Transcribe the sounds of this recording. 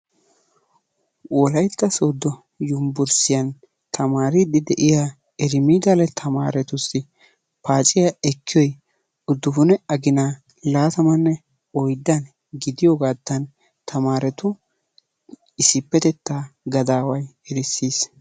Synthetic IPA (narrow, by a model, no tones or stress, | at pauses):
wɔlɐjt̪ːɐsoːd̪ːɔ | jʊmbʊɾsɪjɐn | t̪ʰɐmaːɾɪd̪ɪd̪ɛʔɪjaː | ɛɾɪmiːd̪ɐlɛt̪ʰɐma̰ːɾɛt̪ʊsɪ | paːt͡ʃʼɪjɐɛkʰːɪjɔj | ʊd̪ːʊfʊnɛɐɡɪnaː | laːt̪ɐmɐnːɛ | ɔjd̪ːɐn | ɡɪd̪ɪjoɡaːd̪ːɐn | t̪ʰɐmaːɾɛt̪ʊ | ɪsɪpːɛt̪ɛt̪ːaːɡɐd̪aːwɐjɛɾɪsːiːs